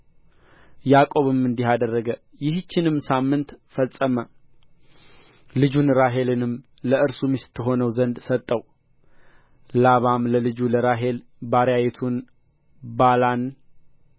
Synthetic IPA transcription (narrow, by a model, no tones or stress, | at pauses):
jakʼo̞βɨmɨnd̪iɦad̪ərːəɡə | jɪht͡ʃːɪnɨmːsamːɨnt̪fəsʼəmə | lɨd͡ʒunɾaɦe̞lɨnɨm | ləɨɾsumist̪ʰːɨɦo̞nəwzənd̪sət̪ʼːəw | laβamləlɨd͡ʒuləɾaɦe̞l | baɾjajɛt̪ʰun | balan